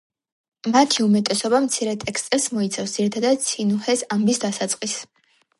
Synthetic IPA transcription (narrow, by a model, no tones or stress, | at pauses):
mat̪ʰiumɛt̪ʼɛsɔbamt̪sʰiɾɛt̪ʼɛkst̪ʼɛlsmɔit̪sʰafsd̪ziɾit̪ʰad̪ad̪̚t̪sʰinuhɛsambisd̪asat̪sʼqʼis